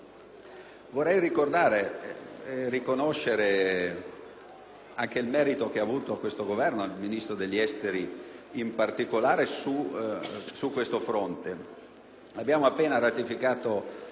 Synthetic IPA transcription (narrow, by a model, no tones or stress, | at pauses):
vorːɛjrikord̪aːɾe | rikonoʃːeɾe | aŋk̟eilmɛːɾit̪ok̟eaːvuːt̪oakːwest̪oɡovɛrnoalminist̪ɾod̪eʎːɛst̪eɾiimpart̪ikolaːɾesu | sukːwest̪ofɾont̪e | abːjaːmoapːeːnaɾat̪ifikaːt̪o